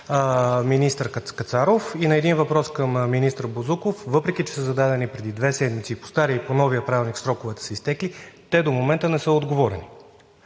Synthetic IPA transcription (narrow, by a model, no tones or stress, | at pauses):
minist̪əɾkkɐt̪saɾofinɐɛd̪invɐpɾɔskəmminist̪əɾbozukofvɤpɾɛkʲit͡ʃɛ̥səzɐd̪ad̪ɛnipɾɛd̪id̪vɛsɛd̪mit̪siːpo̥st̪aɾʲiiponɔviəpɾavʲilˠniksɾɔkʊvɛt̪ɛ̥sɛist̪ɛklit̪ɛd̪omomɛnt̪ənɛsɤod̪ɡovɔɾɛ̰ni